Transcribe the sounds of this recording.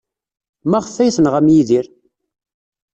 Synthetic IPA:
mæʁəfːæjθənʁæmjiðiɾ

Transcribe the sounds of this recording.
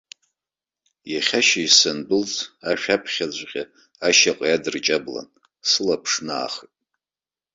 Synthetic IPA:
jaχʲaʃaisanbɨlt͡sʰʼaʃᶣapʰχʲad͡ʑʷqʲʼa | aʃaqʼjadɨrt͡ʃʼabla̰n | sɨlapʰʂna̰ːχɨtʼ

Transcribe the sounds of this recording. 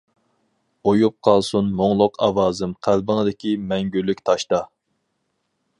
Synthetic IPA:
ojup̚qʰɑlˠsunmoŋlˠʊqʰɑwɑːzɪmqʰælbəŋəd̪ɪkʲʰimɛŋɡʲylːykʲt̪ʰɑʃt̪ɑ

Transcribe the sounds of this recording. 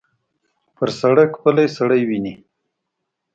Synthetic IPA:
pəɾsaɽajkpəlajsaɽəjwini

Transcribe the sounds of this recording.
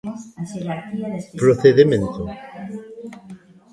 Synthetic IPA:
pɾoθeðemẽnt̪o

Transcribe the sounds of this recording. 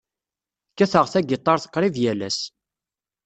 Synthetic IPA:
kːæθəʁθæɡit̪ˤːɑɾθə̥qːɾˤivjælæs

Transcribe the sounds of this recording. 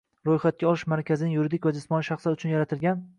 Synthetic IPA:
ɾojχat̪̚kʲaɒlˠɪʃmaɾkʲʰazɪnɪŋjʊɾɪd̪ɪkʲvad͡ʒɪsmɒnɪʃaχsaʊt͡ʃʰʊnjaɾat̪ʰɪlɡʲan

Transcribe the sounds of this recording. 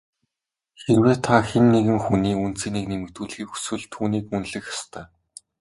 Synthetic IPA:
xerweːt̪ʰaxenːeɣɘ̆ŋxuniːun̥t͡siːneːknemɘ̆kt̪uːɮxiːkxu̥swɘ̆ɮt̪ʰuːniːkmɵnɮɘ̆xjḁst̪ʰœː

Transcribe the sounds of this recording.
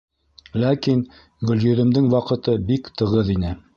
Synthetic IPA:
lækin | ɡɵ̆ljɵ̆ðɘ̆md̪ɘŋwɑqɤ̆t̪ɤbikt̪ɤ̆ʁɤðinɘ

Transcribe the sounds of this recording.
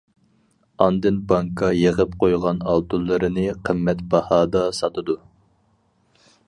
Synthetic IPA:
ɑnd̪ɨnbɑŋkʰɑjeʁəp̚qʰojʁɑnɑlˠt̪ulˠːɨɾɨnɨqʰəmːɛt̪bɑhɑːd̪ɑsɑt̪ʰɨd̪u

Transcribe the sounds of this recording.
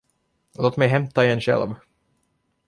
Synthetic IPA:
loːt̪mɛjɦɛmt̪aɪɛnɕɛ̰lv

